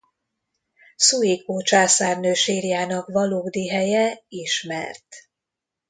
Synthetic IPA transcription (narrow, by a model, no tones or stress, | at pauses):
suikoːt͡ʃaːsaːrnøːʃeːrjaːnɒkvɒloːɡd̪iɦɛjɛiʃmɛ̰rt̪